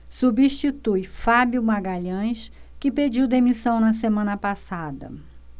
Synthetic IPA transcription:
subiʃt͡ʃit̪ujfabjumaɡaʎɐ̃jʃkɪped͡ʒiwd̪emisɐ̃w̃nɐs̬emɐ̃nɐpasad̪ɐ̰

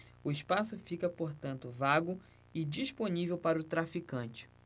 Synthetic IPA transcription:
ʊɪspasʊfikɐpoɾt̪ɐ̃nt̪ʊvaɡʊ | ɪd͡ʒisponivewpaɾɐʊt̪ɾafikɐ̃nt͡ʃɪ̥

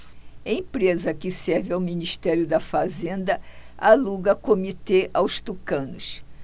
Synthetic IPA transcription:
ɐĩpɾezɐkɪsɛɾvɪawminiʃt̪ɛɾjʊd̪ɐfazẽnd̪ɐ | aluɡɐkomit̪eʔawst̪ukɐ̃nʊs

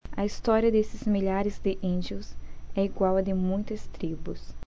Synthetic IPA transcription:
ɐ̰ist̪ɔɾiɐd̪esɪzmiʎaɾɪzd̪ɪʔĩd͡ʒiʊsɛiɡwawɐd̪ɪmũj̃t̪ɐst̪ɾibʊs

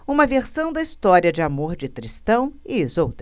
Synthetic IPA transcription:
ũmɐveɾsɐ̃w̃d̪ɐist̪ɔɾiɐd͡ʒɪamoɾd͡ʒɪt̪ɾist̪ɐ̃w̃ɪːzowt̪ɾɐ

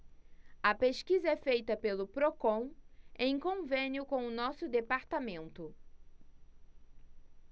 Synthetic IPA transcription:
ɐpeʃkizɐɛfejt̪ɐpelʊpɾokõw̃ẽj̃kõvẽnjʊkõw̃ʊnɔsʊd̪epaɾt̪amẽnt̪ʊ

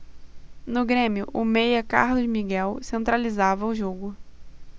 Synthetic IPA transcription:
nʊɡɾẽmiʊʔʊmejɐka̰ɾlʊzmiɡɛwsẽnt̪ɾalizavɐʊʒoɡʊ

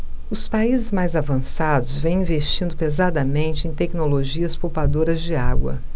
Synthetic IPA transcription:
ʊspaizɪzmajzavɐ̃sad̪ʊzvẽj̃ĩveʃt͡ʃĩnd̪ʊpezad̪ɐmẽnt͡ʃɪẽj̃t̪ɛknoloʒiɐspowpad̪oɾɐzd͡ʒɪaɡwɐ̰

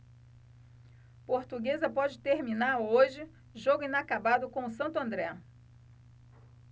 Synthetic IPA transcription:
poɾt̪uɡezɐpɔd͡ʒɪt̪eɾmĩnaɾoʒɪ | ʒoɡʊĩnakabad̪ʊkõʊsɐ̃nt̪ʊɐ̃nd̪ɾɛ

